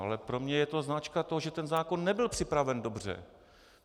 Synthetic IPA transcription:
a̰lɛpɾo̞mɲɛjɛt̪oznat͡ʃkat̪oɦoʒɛt̪ɛnzaːkonːɛbɪlpr̥ɪpɾavɛndobr̝ɛ̰

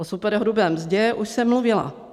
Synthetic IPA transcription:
osupɛɾɦɾubɛːmzɟɛʔuʃsɛmːluvɪla̰

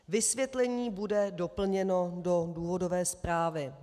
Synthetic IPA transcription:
vɪsvjɛt̪lɛɲiːbudɛdopl̩ɲɛno̞do̞duːɦo̞do̞vɛːspɾaːvɪ

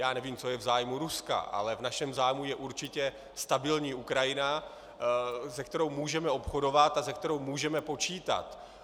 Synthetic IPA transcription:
jaːnɛviːmt͡so̞jɛvzaːjmuɾuska̰ʔa̰lɛvnaʃɛmzaːjmujɛʔuɾt͡ʃɪcɛ | st̪abɪlɲiːukɾajɪna | zɛk̚t̪ɛɾo̞wmuːʒɛmɛo̞pxo̞do̞vat̪azɛk̚t̪ɛɾo̞wmuːʒɛmɛpo̞t͡ʃiːt̪a̰t̪

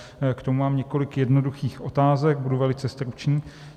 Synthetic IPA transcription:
kt̪omumaːmɲɛko̞lɪkjɛdnoduxiːxʔo̞t̪aːzɛk̚buduvɛlɪt͡sɛst̪ɾut͡ʃɲiː

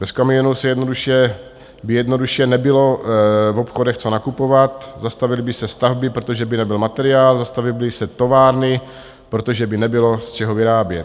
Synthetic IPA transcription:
bɛskamɪjonuwsɛjɛdno̞duʃjɛ | bɪjɛdnoduʃjɛnɛbɪlo̞vopxo̞dɛxt͡sonakupo̞vat̪zast̪avɪlɪbɪsɛst̪avbɪpɾot̪oʒɛbɪnɛbɪlmat̪ɛɾɪaːlzast̪avɪblɪsɛt̪o̞vaːɾnɪ | pɾo̞t̪oʒɛbɪnɛbɪlo̞st͡ʃɛɦovɪɾaːbjɛt̪

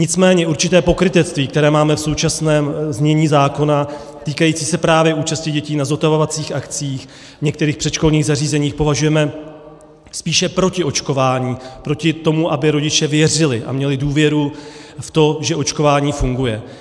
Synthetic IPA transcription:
ɲɪt͡smɛːɲɛuɾt͡ʃɪt̪ɛːpo̞kɾɪt̪ɛt͡st̪viːkt̪ɛɾɛːmaːmɛfso̞wt͡ʃasnɛːmzɲɛɲiːzaːko̞na | t̪iːkajit͡siːsɛpɾaːvjɛʔuːt͡ʃascɪɟɛciːnazo̞t̪avovat͡siːxakt͡siːx | vɲɛk̚t̪ɛɾiːxpr̝̥ɛʃko̞lɲiːɣzariːzɛɲiːxpo̞vaʒujɛmɛ | spiːʃɛpɾo̞cɪʔo̞t͡ʃko̞vaːɲiːpɾo̞cɪt̪o̞muʔabɪɾo̞ɟɪt͡ʃɛvjɛr̝ɪlɪʔa̰mɲɛlɪduːvjɛɾuft̪o̞ʒɛʔo̞t͡ʃko̞vaːɲiːfuŋɡujɛ

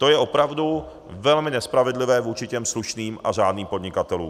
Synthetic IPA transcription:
t̪o̞jɛʔo̞pɾavdu | vɛlmɪnɛspɾavɪdlɪvɛːvuːt͡ʃɪcɛmsluʃniːmʔa̰ʒaːdniːmpo̞dɲɪkat̪ɛlṵːm

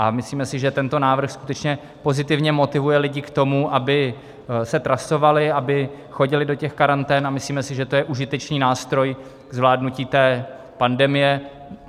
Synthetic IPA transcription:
ʔamɪsliːmɛsɪʒɛt̪ɛnt̪o̞naːvr̩xskut̪ɛt͡ʃɲɛ | po̞zɪt̪ɪvɲɛmo̞t̪ɪvujɛlɪɟɪkt̪o̞muʔabɪ | sɛt̪ɾaso̞valɪabɪ | xo̞ɟɪlɪdo̞cɛxkaɾant̪ɛːnamɪsliːmɛsɪʒɛt̪o̞jɛʔuʒɪt̪ɛt͡ʃniːnaːst̪ɾo̞j | ɡ̥zvlaːdnuciːt̪ɛː | pandɛmɪjɛ

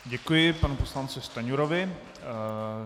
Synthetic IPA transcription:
ɟɛkujɪpanuposlant͡sɪst̪aɲuɾovɪ

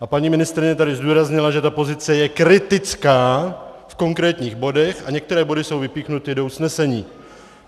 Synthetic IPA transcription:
ʔapaɲiːmɪnɪst̪ɾɪɲɛt̪adɪzduːɾazɲɪlaʒɛt̪apo̞zɪt͡sɛjɛkɾɪt̪ɪt͡skaːfko̞ŋkɾɛːt̪ɲiːɣbo̞dɛxaɲɛkt̪ɛɾɛːbo̞dɪso̞wvɪpiːxnut̪ɪdo̞usnɛsɛɲiː

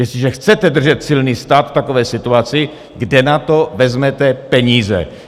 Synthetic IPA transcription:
jɛsɪʒɛxt͡sɛt̪ɛd̪r̩ʒɛt̪sɪlniːst̪aːt̪ft̪akovɛːsɪt̪uat͡sɪ | ɡdɛnat̪ovɛzmɛt̪ɛpɛɲiːzɛ̰

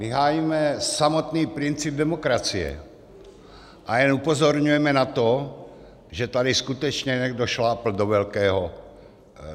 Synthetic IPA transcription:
miɦaːjimɛsamɔt̪niːpɾint͡sib̚d̪ɛmɔkɾat͡siɛ̰ | ʔajɛnupɔzɔɾɲujɛmɛnat̪ɔ | ʒɛt̪ad̪iskut̪ɛt͡ʃɲɛɲɛɡd̪ɔʃlaːpl̩d̪ɔʋɛlkɛːɦɔ

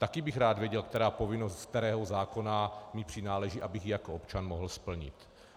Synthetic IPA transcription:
t̪akɪbɪxɾaːd̪vjɛɟɛlk̚t̪ɛɾaːpo̞vɪnost̪k̚t̪ɛɾɛːɦozaːko̞namɪpr̥ɪnaːlɛʒiʔabɪɣjɪjakoʔopt͡ʃanmoɦl̩spl̩ɲɪ̰t̪

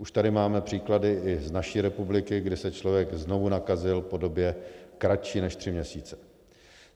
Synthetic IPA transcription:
ʔuʃt̪adɪmaːmɛpr̥iːkladɪʔɪznaʃiːɾɛpublɪkɪɡdɪsɛt͡ʃlo̞vjɛɡzno̞vunakazɪlpo̞do̞bjɛkɾat͡ʃiːnɛʃt̪r̥ɪmɲɛsiːt͡sɛ̥

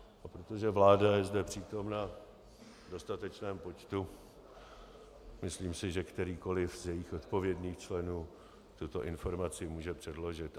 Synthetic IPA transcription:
ʔapɾot̪o̞ʒɛvlaːdajɛzdɛpr̥iːt̪o̞mna | do̞st̪at̪ɛt͡ʃnɛːmpo̞t͡ʃt̪u | mɪsliːmsɪʒɛkt̪ɛɾiːko̞lɪfzjɛjɪxʔot̪po̞vjɛdɲiːxt͡ʃlɛnuː | t̪ut̪o̞ʔɪnfo̞ɾmat͡sɪmuːʒɛpr̝̥ɛdlo̞ʒɪt̪

